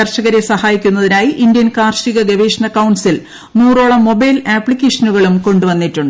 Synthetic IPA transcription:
ɐrʂɐɣɐɾesɐhaːjikʲːunːɐðinaːjiʔind̪jɐnkaːrʂiɣɐɡɐʋeːʂɐnɐkːɐwɳɖsil | nuːro̞ːɭɐmːo̞bɐjlaːpːɭikʲːeːʂɐnuɣɐɭumko̞ɳɖuʋɐnːiʈːuɳɖɨ

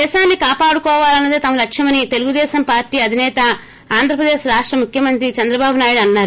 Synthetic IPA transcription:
d̪ɛːʃaːnːikaːpaːɽukɔːʋaːlɐnːɐd̪et̪ɐmɐlɐkʂjɐmɐnit̪e̞luɡud̪ɛːʃɐmpaːɾʈiːɐd̪ʱinɛːt̪ɐ | aːnd̪ʱɾɐpɾɐd̪eːʃɾaːʂʈɾɐmukʰjɐmɐnt̪ɾit͡ʃɐnd̪ɾɐbaːbunaːjuɽɐnːaːɾu

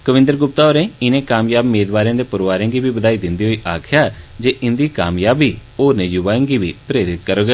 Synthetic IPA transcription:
kəʋɪ̃nd̪əɾɡʊp̚t̪aːɦoːɾẽːɪnẽːkaːmjaːbmeːd̪ʋaːɾjãːd̪eːpəɾʋaːɾẽːŋɡiːbiːbəd̪aːiːd̪ɪnd̪iːɦoːiːʔaːkʰjaːd͡ʒeːʔɪnd̪iːka̰ːmjaːbiːoːɾneːjʊʋãːŋɡiːʋiːpɾeːɾɪt̪kəɾoːɡ

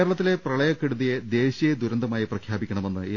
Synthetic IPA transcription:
ɾɐɭɐt̪ːile̞prɐɭɐjɐkːeɽuðijed̪e̞ːɕijed̪uɾɐnd̪ʱɐmaːjiprɐkʰjaːbikʲːɐɳɐme̞nːɨi

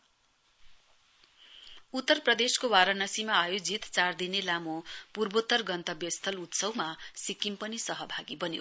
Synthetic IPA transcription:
ut̪ːʌrprʌd̪eskowaɾʌnʌsimaːjod͡zit̪t͡sard̪inelamopurbot̪ːʌrɡʌnt̪ʌbjʌst̪ʰʌlut̪sʌwmasikimpʌnisʌɦʌbʱaɡibʌnjo̰

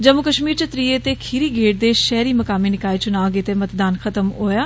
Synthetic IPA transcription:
d͡ʒəmʊkəʃmiːɾt͡ʃət̪ɾiːeːt̪eːkʰiːɾiːɡeːʈ̚d̪eːʃɛːɾiːməkaːmiːnɪkaːit͡ʃʊnaːɡeːt̪eːmət̪d̪aːnxʰət̪əmɦoːjaː

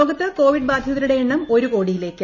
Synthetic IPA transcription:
oːɡɐt̪ːɨko̞ːʋiɖbaːd̪ʱjɐðɐɾuɽe̞eɳːɐmo̞ɾuko̞ːɽijile̞ːkːɨ

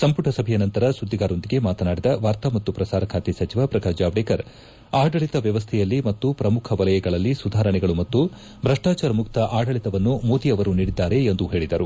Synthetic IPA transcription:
sɐmpuʈʰɐsɐbʱɛjɐnɐnt̪ɐɾɐsud̪ːiɡaːɾo̞nd̪iɡe̞maːt̪ɐnaːɽid̪ɐʋaːɾt̪amɐt̪ːupɾɐsaːɾɐkʰaːt̪isɐt͡ʃiʋaːpɾɐɡaːd͡ʒaːʋɽeːkɐɾ | aːɖɐɭit̪ɐʋjɐʋɐst̪ʰɛjɐlːimɐt̪ːupɾɐmukʰɐʋɐlɐjɐɡɐɭɐlːisud̪ʱaːɾɐɳɛɡɐɭumɐt̪ːu | bɾɐʂʈaːt͡ʃaːɾɐmukt̪ɐʔaːɖɐɭit̪ɐʋɐnːumoːt̪ijɐʋɐɾuniːɽid̪ːaːɾe̞ːnd̪uɦe̞ːɭid̪ɐɾu

